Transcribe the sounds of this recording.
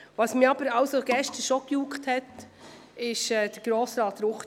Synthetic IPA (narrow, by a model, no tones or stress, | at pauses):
ʋɑsmɪɑb̥əɾɑwsoɡɛʃtəʃokjukthɛt | ɪʃɛːd̥əɾɡ̥ɾoːsɾɑːt̪ɾʊχt